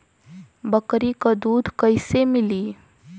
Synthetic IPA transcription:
bəkɾikad̪uːd̪ʱkɐɪsemɪliː

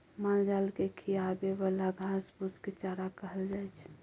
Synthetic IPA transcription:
mald͡ʒalkekʰiaɡebalaɡʱãsbusket͡ʃaɾakəɦəld͡ʒajt͡ʃʰ

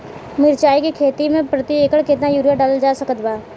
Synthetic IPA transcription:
mɪɾt͡ʃaːikikʰeːt̪imẽpɾɐt̪ieːkəɭket̪najuːɾjaɖaːld͡ʒaːsɐkət̪baː

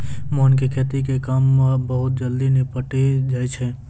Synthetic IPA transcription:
mɔːnkekʰeːt̪ikekaːmabəɦʊt̪̚d͡ʒəld̪inipəʈed͡ʒaːet͡ʃʰɛː

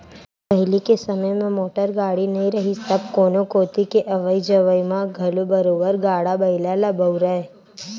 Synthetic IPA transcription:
pɐɦɪlikesəməjmẽmoːʈəɾɡaːɽinɐɦĩɾɐɦisɐbkoːnokoːt̪ikeʔɐʋəid͡ʒəʋəjmãɡʱɐlubəɾoːbəɾɡaːɽabɐɪlalabəʊɾəe

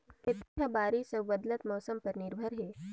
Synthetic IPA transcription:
ɐt̪abaːɾisɐbɐd̪lət̪mɔːsəmpɐɾnɪɾbʱəɾɦeː

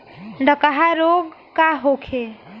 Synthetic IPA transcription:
ɖʱəkəɦaɾoɡkaɦokʰe

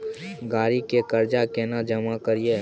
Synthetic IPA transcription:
ɡaːɾikekɐɾd͡ʒakeːnad͡ʒɐmakəɾije

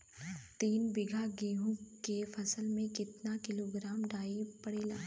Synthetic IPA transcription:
t̪iːnbɪɡʱaɡiːɦõkefʰɐsəlmẽkɪt̪nakɪloːɡɾaːmɖaːipɐɽeːlaː

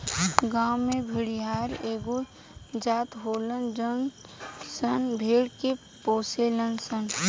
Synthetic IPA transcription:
ɡaːwmebʱəɽiɦaːɾeːɡo | d͡ʒaːt̪ɦoːlənd͡ʒənsənbʱeːɽke | poːselənsən

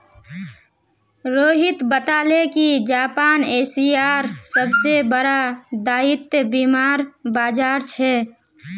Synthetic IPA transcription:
ɾoːɦɪt̪bət̪aːlekid͡ʒaːpaːneːsiaːɾsəbsebəɾad̪aːɪt̪jəbiːmaːɾbaːd͡ʒaːɾt͡ʃʰɛ

